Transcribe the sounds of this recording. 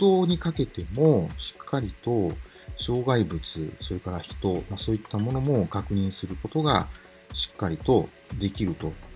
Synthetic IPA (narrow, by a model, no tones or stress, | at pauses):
d̪o̞ːɲ̟ikake̞t̪e̞mo̞ɕi̥kʰːaɾʲit̪o̞ | ɕo̞ːɡaibɯ̟t͡sɨ̰so̞ɾe̞kaɾaçi̥t̪o̞maso̞ːit̪ːamo̞no̞mo̞kakɯ̟ɲ̟ĩɰ̃sɨɾɯ̟ko̞t̪o̞ɡa̰ | ɕi̥kːaɾʲit̪o̞ | d̪e̞kʲiɾɯ̟t̪o̞